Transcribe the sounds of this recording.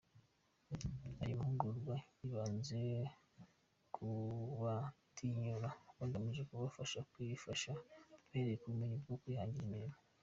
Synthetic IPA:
a̰jomhuɡuɾɡwajiβaːnze̞ | kʰuwatʰiɲuɾakanɡamiʒekuβafaʃakwifaʃaβeɾekumiɲuɡokwujhaːɲɟiɾimiɾimo

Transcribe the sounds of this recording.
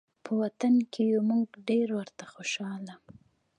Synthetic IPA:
pʰəwat̪ankʰejomuɡɖeɾwəɾt̪axoʃɑlam

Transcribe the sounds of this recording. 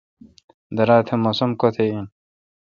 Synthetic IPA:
d̪ɐɾaːt̪ʰemosomkot̪ʰein

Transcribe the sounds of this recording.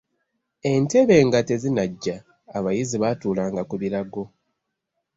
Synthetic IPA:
e̞nte̞βe̞ːŋɡate̞zinaɟːaː | βajiziβatuːlaːŋɡakuβiɾaɡo̞

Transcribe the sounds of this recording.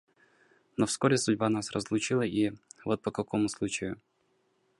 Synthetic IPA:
nofskoɾʲɪsʊdʲbanasrəzlˠʊt͡ɕilˠəʔivot̪̚pəkɐkomʊslˠut͡ɕɪjʊ

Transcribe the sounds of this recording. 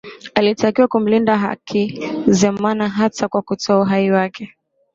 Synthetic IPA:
alitakiwakum̩lindaɦa̰kʰizɛmanaɦatakwakutɔauɦaiwakʰɛ

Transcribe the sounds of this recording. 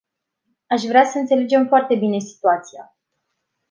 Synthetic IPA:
aʃvɾeasəɨnt̪sele̞d͡ʒe̞mfoart̪e̞bine̞si̥t̪uat̪sija

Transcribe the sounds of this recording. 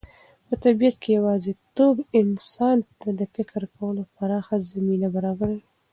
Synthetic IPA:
pət̪abijat̪kʰejawɑzet̪obɪnsɑnt̪ad̪əfɪkɾkʰawəlopaɾɑxazaminabaɾɑbaɾa

